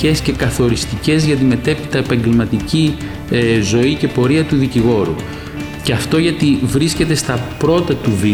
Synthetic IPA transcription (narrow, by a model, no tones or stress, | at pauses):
e̞sce̞kɐθo̞ɾist̪ice̞zʝɐt̪̬ime̞t̪e̞pi̥t̪ɐepɐɲɟe̞lmɐt̪ici | zo̞ice̞po̞ɾiɐt̪uðiciɣo̞ɾṵ | ceɐft̪o̞ʝɐt̪ivɾisce̞t̪est̪ɐpɾo̞t̪ɐt̪uvi